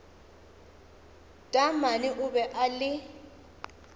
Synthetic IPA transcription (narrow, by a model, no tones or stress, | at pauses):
dʼamanɪʔʊbɛʔalɪ